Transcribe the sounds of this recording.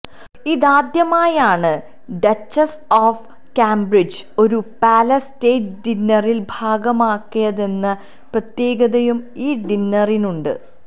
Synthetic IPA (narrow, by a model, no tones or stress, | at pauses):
iðaːd̪jɐmaːjaːɳɨ | ɖɐt͡ɕːɐs | oːf | kaːmbrid͡ʑo̞ɾupaːlɐsteːtɖinːɐrilbʱaːɡɐmaːkːijɐðe̞nːɨ | prɐt̪je̞ːɡɐðɐjumiːɖinːɐrinuɳɖɨ̰